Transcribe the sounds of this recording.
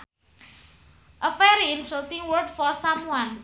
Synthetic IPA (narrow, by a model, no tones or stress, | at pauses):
ʔəfɛɾiɪnsot̪ɪŋwərdfɔrsamwan